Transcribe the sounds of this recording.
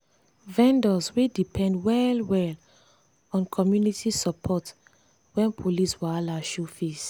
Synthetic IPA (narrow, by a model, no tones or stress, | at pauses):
vɛ̃ndɔswidipʰɛ̃ndwɛlwɛl | ɔ̃nkʰɔmjunitʰisɔpʰɔt | wɛ̃npʰoliswaalaʃufis